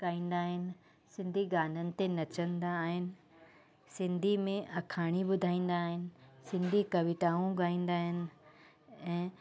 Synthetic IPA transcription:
kaːĩːn̆d̪aːɦɪnɪ̆ | sɪ̃nd̪ʱiɡaːn̤ənɪ̆t̪enɐt͡ɕə̃nd̪aːɦɪnɪ̆ | sɪ̃nd̪ʱimẽʔɐkʰaːɽ̃ibʊd̪ʱaːĩːn̆d̪aːɦɪnɪ̆sɪ̃nd̪ʱikɐʋɪʈaːũɡaːĩːn̆d̪aːɦɪnɪ̆ | ɛ̃ː

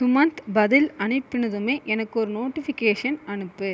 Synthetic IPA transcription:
sʊmɐnt̪bɐðɪlɐɳɪpːɪnɐðɯmeːʔɛnɐkːɔɾɯnoːʈːɪfɪkeːʂɐnɐnɯpːɯ

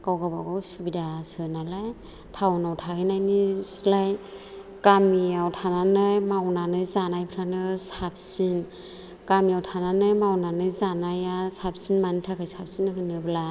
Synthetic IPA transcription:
kawɡabaɡɔwsubidasɯnalaj | tʰawnawtʰaɡinajnislaj | kamiawtʰananɯjmawnanɯjzanajpʰɾanɯsap̚sin | kamiawtʰananɯjmawnanɯjzanajasap̚sinmanitʰakʰɯjsap̚sinɯɦɯnɯbla

